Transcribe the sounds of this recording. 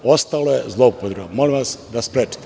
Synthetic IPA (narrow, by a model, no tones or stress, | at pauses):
o̞st̪alojezlˠoupod̪ɾeʋomo̞limʋasd̪aspɾeːt͡ʃi̥t̪e